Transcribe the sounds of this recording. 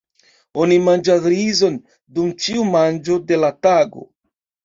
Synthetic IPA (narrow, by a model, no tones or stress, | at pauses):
o̞nimand͡ʒasɾizo̞n | dumt͡ʃiumand͡ʒo̞de̞lataɡo̞̰